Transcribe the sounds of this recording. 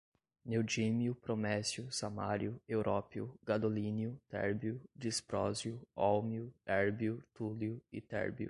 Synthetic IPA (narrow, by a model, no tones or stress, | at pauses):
newd͡ʒimjʊpɾomɛsjʊsamaɾjʊewɾʔɔpjʊɡad̪olĩnjʊt̪ɛ̰ɾbjʊd͡ʒispɾɔzjʊɔwmjʊɛɾbjʊt̪uljʊɪt̪ɛ̰ɾbjʊ̰